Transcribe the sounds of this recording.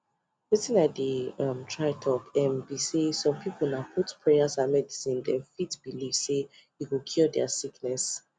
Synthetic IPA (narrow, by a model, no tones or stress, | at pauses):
litĩnatdiʌ̃mtʰɹatʰɔpɛ̃mbisesɔ̃mpʰipl̩naʊpʰutpʰɹɛasãnmɛdisĩndɛ̃mfitb̥ilive | jukukʰudɛasiknɛs